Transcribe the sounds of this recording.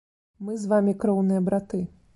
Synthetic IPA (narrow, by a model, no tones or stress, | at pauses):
mɨzʋamʲikɾɔwnɨjɐbɾat̪ɨ